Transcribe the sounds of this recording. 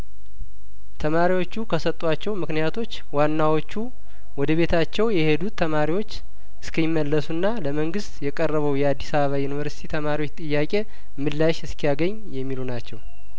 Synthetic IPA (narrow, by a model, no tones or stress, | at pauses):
t̪ʰəmaɾiwo̞t͡ʃːukʰəsət̪ʼːwat͡ʃːɛwmɨknijat̪ʰo̞t͡ʃːwanːawo̞t͡ʃːu | wɔd̪əβe̞t̪ʰat͡ʃːɛwjɛhe̞d̪ut̪ʰːəmaɾiwo̞t͡ʃː | ɨ̥skʰəjɪmːəlːəsunːaləməŋɡɨst̪jɛkʼərːəβəwjɛad̪ːisaβəβajunivəɾsi̥t̪ʰit̪ʰəmaɾiwo̞t͡ʃːt̪ʼɨjːakʼe̞ | mɨlːaʃɨskʰijaɡəɲː | jɛmːilunat͡ʃːɛw